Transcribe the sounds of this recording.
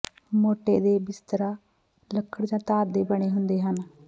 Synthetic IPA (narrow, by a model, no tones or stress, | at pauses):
moːʈeːd̪eːbɪst̪əɾaː | ləkʰːəɽd͡ʒãːt̪aːɾd̪eːbəɳ̃eːɦʊnd̪eːɦən